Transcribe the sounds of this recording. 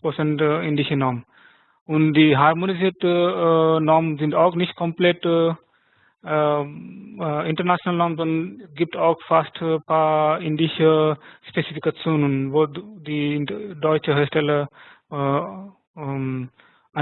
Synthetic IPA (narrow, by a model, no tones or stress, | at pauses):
pot͡sɛntɪndɪçənɔːmə | ʊntdiːɦaʁmoniziːɐtə | nɔːmənzɪntaʊxnɪçt̚kʰɔmplɛt | ɪntənat͡sjonalənɔmənzɔnɡip̚taʊxfastpʰaːɪndɪçəspet͡sifikat͡sjoːnənvodiːdɔʏt͡ʃəɦeːɐʃtɛlə | a